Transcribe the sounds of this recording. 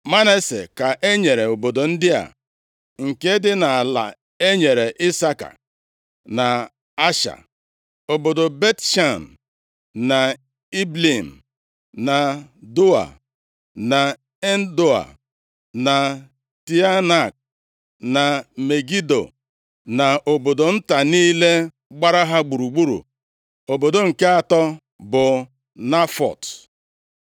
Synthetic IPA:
ma˦ne˦se˨ka˨ʔe˦ɲe˨ɾe˨o˨bo˨do˨n̩˦dɪ˦a̰˨ | ŋ̩˨ke˦dɪ˦na˨a˨la̰˨ | e˦ɲe˨ɾe˨ʔi˦sa˦ka̰˨ | na˨ | a˦ʃa̰˨ | o˨bo˨do˨be˦tʃa˦˨n˨ | na˨ | i˦bli˦˨m̩˨ | na˨do˦a̰˨ | na˨ | e˦n̩˦do˦a̰˨ | na˨ | ti˦a˦na˨k̚ | na˨me˨ɡi˦do̰˨ | na˨ʔo˨bo˨do˨n̩˦ta˨niː˦le˦ | ɡ͡ba˦ɾa˦ɦa˦ɡ͡bu˨ɾu˨ɡ͡bu˦ɾṵ˨ | o˨bo˨do˨ŋ̩˨ke˦a˨tɔ˦ | bʊ˨ | na˦fɔ̰˨t

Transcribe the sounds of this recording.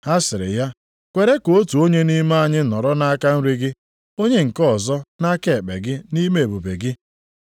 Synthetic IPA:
ha˦sɪ˨ɾɪ̰˨ja˦ | kʷe˨ɾe˦ko˨o˦tu˨o˦ɲe˦ni˦ma˦a˨ɲɪ˦nɔ˨ɾɔ˦na˦ka˦n̩˦ɾi˦ɡɪ˦ | o˦ɲe˦ŋ̩˨kɔ˦˨zɔ˦na˦ke˦˨e˨k͡pḛ˨ɡɪ˦ni˦me˦˨e˨bu˨be˨ɡɪ˦

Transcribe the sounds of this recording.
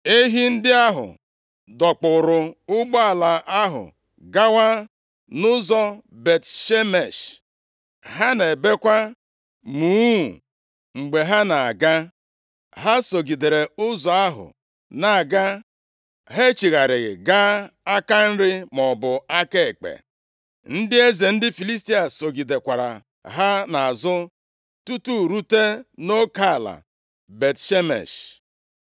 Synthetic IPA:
e˦ɦi˦n̩˦dɪ˦a˦ɦʊ̰˨ | dɔ˨k͡pʊ˨ɾʊ˨ʊ˦ɡ͡bɔ˦a˨la˨ʔa˦ɦʊ̰˨ | ɡa˦wa˦ | nʊ˦zɔ˦be˨tʃe˦me˨ʃ | ɦa˦ne˨be˦kʷa˦ | muː˨˦˨ | ŋ͡m̩˨ɡ͡be˨ɦa˦na˨a˨ɡa˦ | ɦa˦so˨ɡi˨de˨ɾe˨ʊ˦zɔ˨a˦ɦʊ̰˨ | na˨a˨ɡa˦ | ɦe˦t͡ʃi˨ɣa˨ɾɪ˨ɣɪ̰˨ɡa˦a˦ka˦n̩˦ɾɪ˦mɔ˨bʊ˨a˦ke˦e˨k͡pḛ˨ | n̩˦dɪ˦e˦ze˨n̩˦dɪ˦fi˨li˦sti˦a˨so˨ɡi˨de˨kʷa˨ɾa̰˨ | ɦa˦na˨a˨zʊ˦ | tu˦tu˦ɾu˦te˦no˦ka˦˨la̰˨ | be˨tʃe˦mḛ˨ʃ

